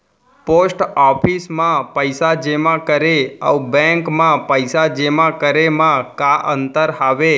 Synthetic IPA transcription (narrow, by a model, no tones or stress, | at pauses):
posʈɔpʰismãpəjsad͡ʒemãkəɾeə̰bɛ̃ŋkmãpəjsad͡ʒemãkəɾemãkaʔənt̪əɾɦaʋe